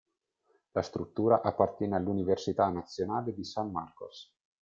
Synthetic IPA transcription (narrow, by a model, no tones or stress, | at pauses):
last̪ɾut̪ːuːɾaʔapːart̪jɛːnealːuniversit̪anat̪sːjonaːled̪isamːarko̰s